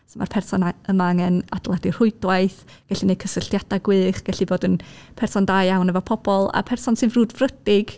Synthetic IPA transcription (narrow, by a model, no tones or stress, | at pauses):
soma̰rpʰɛrsɔnaəmaŋɛnad̥lˠadir̥ʊɨdwajθ | ɡ̥ɛɬinekʰəsəɬjad̥aɡwɨːχɡ̥ɛɬiboːdənpʰɛrsɔndajawnɛvɔpʰɔb̥ɔlˠa̰pʰɛrsɔnsɨvruːdvrədɪɡ̥